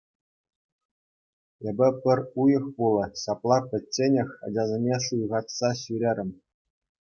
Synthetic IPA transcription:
ebʲɘ̆pʲɘ̆rʲujɤ̆xpulˠɤ̆ɕɑplˠɑpʲɘ̆tʲːenʲɘ̆xɑ̰d͡ʑɑzʲɘ̆nʲeʂɯjʁɑt̪sɑɕyɾʲeɾʲɘ̆mʲ

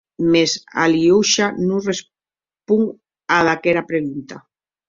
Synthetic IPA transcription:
mesa̰lioʃanũres | puŋ | aðakeɾapɾeɣunt̪a

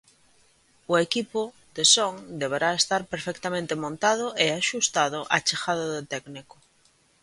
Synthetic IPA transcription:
ʊekipʊ | d̪esoŋd̪eβ̞eɾaest̪aɾpeɾfɛkt̪amẽnt̪emõnt̪aðʊʔeaʃust̪aðʊʔat͡ʃexaðʊðʊt̪ɛknikʊ

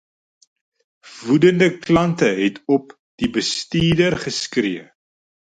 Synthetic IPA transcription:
vudəndəklɐntəɦɛtɔp | d̥ibəstiːdərχəskriə

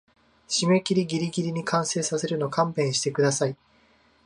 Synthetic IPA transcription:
ɕime̞kʲiɾʲiɡʲiɾʲiɡʲiɾʲiɲ̟ikãɰ̃se̞ːsase̞ɾɯ̟no̞kãmpẽɰ̃ɕi̥t̪e̞kɯd̪asai

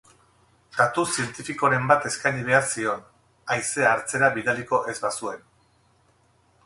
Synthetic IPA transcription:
dt̪at̪usie̞nt̪ifiko̞ɾe̞mbat̪e̞skaɲiβ̞e̞aɾsio̞n | ajse̞aːɾt͡se̞ɾaβiðaliko̞ʔe̞zβasue̞n

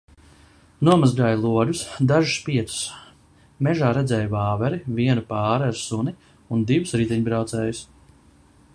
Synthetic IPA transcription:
nuɔmazɡaːjlˠuɔlusd̪aʒispiɛt̪u̥s | mɛʒaːɾɛd̪zɛːjvaːvɛɾiviɛnupaːɾaɾsuni | und̪ivusɾitd̪ʲɛɲbɾawt̪sɛːjus

